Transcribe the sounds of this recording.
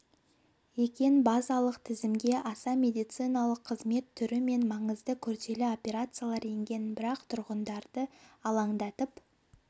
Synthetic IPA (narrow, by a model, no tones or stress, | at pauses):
ekʲe̞nbɑzɑlˠəqt̪ʰɪzɪmɡʲe̞ʔɑsɑme̞d̪ijt̪sɨjnɑlˠəqʰːəzme̞t̪ʰːʏɾɪme̞nmɑɴəzd̪əkʲʰɵɾt̪e̞lɪo̞pʲe̞ɾat̪sɨjalˠɑɾje̞ŋɡʲe̞nbɪɾɑqt̪ʰʊɾʁənd̪ɑɾd̪̥əɑlˠɑɴd̪ɑt̪əp